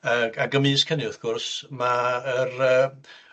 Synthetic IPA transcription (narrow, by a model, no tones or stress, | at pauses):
əaɡəmiːskʰənɪʊθɡ̥ʊrsmaərəː